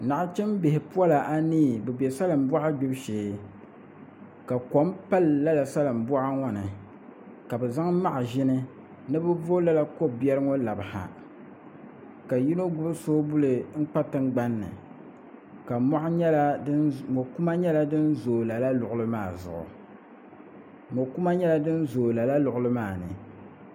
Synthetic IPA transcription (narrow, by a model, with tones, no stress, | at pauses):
na˨ʔa˦t͡ʃɛ˦mbɪ˨hɪ˨pu˦a˦la˨ʔa˦niː˦˨bɛ˨bɛ˨sa˦lɨ˨m˨bɔ˦ʔa˦ɡ͡bʊ˦bʃeː˨ | ka˨ko˨˦mpa˦lːa˦la˨sa˦lɨ˨m̩˨bɔ˦ʔa˦ŋɔ˦nɨ˨ | ka˨bɛ˨za˦ŋma˦ʔʒɪ˦nɨ˦ | nɨ˦bɨ˦vo˦la˦la˦ko˦bɛ˦ɾɨ˦ŋo˦la˨ba˨ha̰˨ | ka˨ji˦no˦ɡʊ˦bsoː˦bu˦lɨ˨ŋ̩˦k͡pa˦tɨ˦ŋɡ͡ba˦nːɨ̰˨ | ka˨mɔ˦ʔa˦ɲɛ˦la˦mo˨ku˦ma˦ɲɛ˦la˦dɨ˦n˦zoː˨la˨la˦lʊ˨ʔʊ˦lɨ˦maː˦˨zʊ̰˨ʔʊ̰˨ | mo˨ku˦ma˦ɲɛ˦la˦dɨ˦n˦zoː˨la˨la˦lʊ˨ʔʊ˦lɨ˦maː˦˨nɨ̰˨